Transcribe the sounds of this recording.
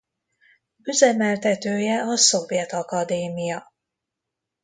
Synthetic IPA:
yzɛmɛlt̪ɛt̪øːjɛɒso̞vjɛt̪ɒkɒd̪eːmijɒ

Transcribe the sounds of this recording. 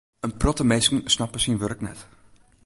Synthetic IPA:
ənprɔtəmejskənsnɑpəsinʋørknɛt

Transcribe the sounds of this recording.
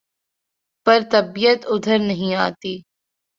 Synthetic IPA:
pɐɾt̪ɐbijət̪ʊd̪ʱəɾnɐɦĩaːt̪iː

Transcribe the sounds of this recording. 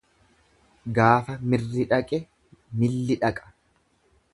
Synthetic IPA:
ɡaːfɐmɪrːɪᶑɐkʼɛ | mɪlːɪᶑɐkʼɐ̥

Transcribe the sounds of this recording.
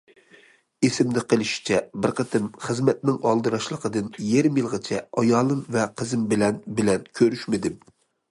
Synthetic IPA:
esɪmd̪ɪqəlˠɪʃi̥t͡ʃʰɛbɪɾqət̪ʰɨmχəzmɛt̪̚nɪŋɑlˠd̪ɨɾɑʃlˠəqʰəd̪ɨnjeɾɪmjilˠʁət͡ʃʰɛɑjɑːlˠɨmvɛqʰəzɨmbɪlɛnbɪlɛnkʲʰøɾyʃmɪd̪ɪm

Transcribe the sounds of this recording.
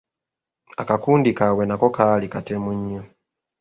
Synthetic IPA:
akakundikawɛnakɔkalikatɛmuɲːɔ

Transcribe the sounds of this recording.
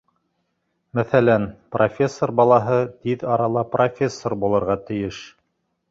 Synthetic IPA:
mæθælænprʔofʲe̞sːorbɑlˠɑɦɤt̪iðɑɾɑlˠɑprʔofʲe̞sːorbulˠɤ̆ɾʁɑt̪ɘ̆jɘʃ

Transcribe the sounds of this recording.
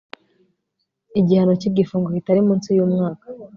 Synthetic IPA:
iɟihano̞cib̚ɟifuːŋɡokitaɾimuːnsijuːmŋaːkḁ

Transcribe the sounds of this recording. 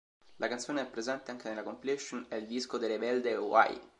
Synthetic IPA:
lʔakant̪sjoːneɛpːɾezɛnt̪eaŋk̟enelːakompilɛʃːonɛild̪iskod̪elːebɛld̪eowa̰j

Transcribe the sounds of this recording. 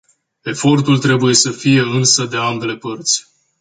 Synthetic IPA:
e̞fo̞rt̪ult̪ɾe̞buje̞səfije̞ɨnsəd̪e̞ambe̞le̞pərt̪sʲ

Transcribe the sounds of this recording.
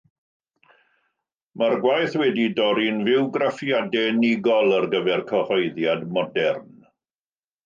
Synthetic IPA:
marɡwajθwɛdidɔɾinvɪwɡrafjadɛnɪɡɔlˠərɡəvɛrkʰɔhɔjðjadmɔdɛrn

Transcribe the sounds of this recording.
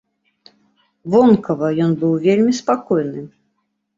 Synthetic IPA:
vɔnkɐvɐjɔnbɨwvʲelʲmʲispakɔjnɨ

